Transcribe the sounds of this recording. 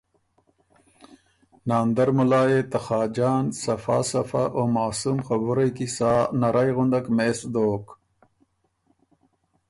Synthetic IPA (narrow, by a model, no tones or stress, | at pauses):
naːnd̪aɾmulaːjet̪axɑːd͡ʒaːnsɐfa̰ːsɐfa̰ʔoːmaːsumxabuɾajkisaːnaɾʔajɣʊɳɖakmesd̪oːk